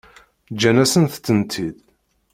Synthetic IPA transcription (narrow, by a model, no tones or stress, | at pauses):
d͡ʒːænæsənθt͡sːənt̪ʰið